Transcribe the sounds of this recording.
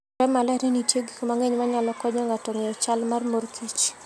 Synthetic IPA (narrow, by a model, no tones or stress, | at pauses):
ɾɛmalaɾenitjeɡikomaŋeɲmaɲalɔkɔɲɔŋatɔŋejɔt͡ʃalmarmorkʰit͡ʃ